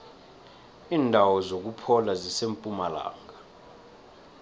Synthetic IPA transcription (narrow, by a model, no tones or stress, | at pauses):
iːndʱawɔzok̬upʰɔlazisempʼumala̰ːŋɡa